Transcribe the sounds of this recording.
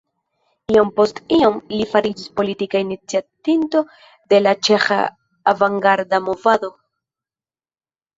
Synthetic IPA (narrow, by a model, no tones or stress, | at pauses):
iompo̞stiomlifaɾid͡ʒispo̞litikainit͡siat̪into̞ | d̪e̞lat͡ʃe̞xa̰ː | vaŋɡaɾdamo̞vado̞